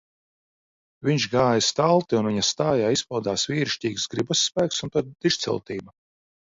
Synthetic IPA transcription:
vʲiɲʃɡaːjast̪alˠt̪iunviɲɐst̪aːjaːispɔld̪aːsviːɾʃcʲiːɡsɡɾibasːpæːk̚t̪sunt̪ɔd̪̚d̪iʃt̪sʲɛ̰lˠt̪iːba

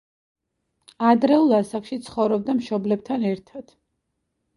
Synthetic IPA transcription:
ad̪ɾɛulˠasakʃit̪sʰχɔvɾɔb̚d̪amʃɔblɛb̚t̪ʰanɛɾt̪ʰad̪̥

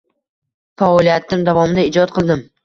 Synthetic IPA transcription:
faɒlijat̪ːɪmd̪avɒmɪd̪aɪd͡ʒɒt̪̚qʰɨlˠd̪ɪm

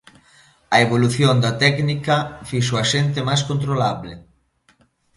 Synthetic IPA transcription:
ɐeβoluθjond̪ɐt̪ɛknikɐfiʃ̬oɐʃent̪emajskont̪̬ɾolaβle

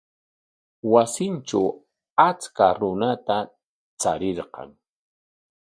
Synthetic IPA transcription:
wasɪnt͡ʃaw | at͡skaɾʊnat̪a | t͡saɾɪɾqɑ̰ŋ

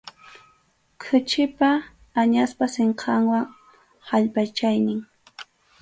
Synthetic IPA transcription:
kʰʊt͡ʃɪpaː | ɲaspaseɴqʰɑŋwaŋ | haʎpat͡ʃajnɪŋ

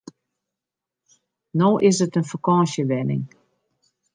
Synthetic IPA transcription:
noːʔɪsətənfakɔ̃ːsjəʋɛnɪ̰ŋ

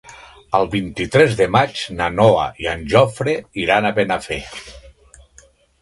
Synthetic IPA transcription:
əlˠβint̪it̪ɾɛzðəmat͡ʃnanoa̰ianʲʒɔfɾeiɾanaβenafe

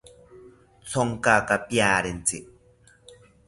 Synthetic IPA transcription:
t͡sʰoŋkakapjaːɾent͡siʔ

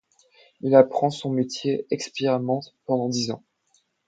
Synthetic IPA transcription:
ilapχɑ̃sɔ̃met̪jeɛkspiʁamɑ̃t̪pɑ̃d̪ɑ̃d̪izɑ̰̃

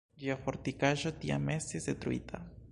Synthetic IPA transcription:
ɡiofoɾt̪ikaʒot̪ia̰mesizd̪et̪ɾuḭt̪ʰa̰

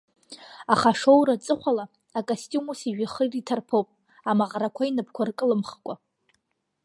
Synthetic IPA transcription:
aχaʂo̞wrat͡sʼɨχʷalaː | kʼastʼumusiʒᶣaχəritʰarpʰowpʼ | amaʁɾakʷʰainɨpʰkʷʰarkʼɨlɨmχkʷʼa

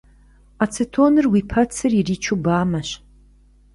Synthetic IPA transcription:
at͡sʰɨtʰoːnɨrwiːpʰɐt͡sʰɨririːt͡ʃʰubaːmɐɕ

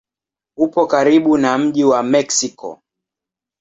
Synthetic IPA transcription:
hupɔkaɾiɓunam̩ʄiwamɛksikɔ̰

